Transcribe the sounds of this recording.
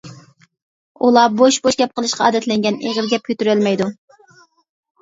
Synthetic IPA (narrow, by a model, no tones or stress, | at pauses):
ulˠɑboʃboʃɡʲɛp̚qʰəlˠɨʃqʰɑɑ̰ːd̪ɛt̪lɛŋɡʲɛneʁəɾɡʲɛp̚kʲʰøt̪yɾylmɛjd̪u